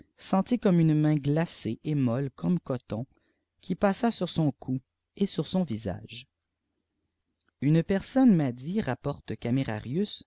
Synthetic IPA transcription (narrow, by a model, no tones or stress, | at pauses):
sɑ̃t̪ikɔmynmɛ̃ɡlaseʔemɔlkʰɔmkɔt̪ɔ̃ | kʲʰipasasyʁsɔ̃kʰu | esyʁsɔ̃viza̰ːʒ | ynpɛʁsɔnmad̪iʁapɔʁt̪kameʁa̰ʁjys